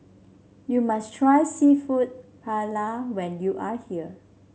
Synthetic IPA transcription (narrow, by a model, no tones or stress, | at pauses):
jumastʰɹajsifut̚pʰalawɛ̃njuʔahiə